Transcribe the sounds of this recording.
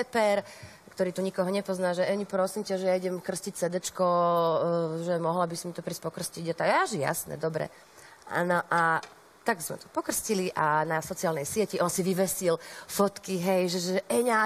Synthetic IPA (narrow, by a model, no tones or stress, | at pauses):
pɛpɛɾ | kt̪ɔɾiːt̪uɲikɔɦɔɲɛpɔznaːʒɛɛɲipɾɔsimcaʒɛjaiɟɛmkr̩scic̚sɛd̪ɛt͡ʃkɔ | ʒɛmɔɦlabisimit̪ɔpɾiːs̚ʲpɔkr̩sciɟat̪aɛaʒija̰snɛ̰d̪ɔbɾɛ̰ | a̰nɔʔa | t̪aɡz̥mɛ̰t̪ɔ̥pɔkr̩sciliʔanasɔt͡siaːlnɛjsɪɛciʔɔnsiʋiʋɛsilfɔt̪kiɦɛjʒɛʒɛɛɲa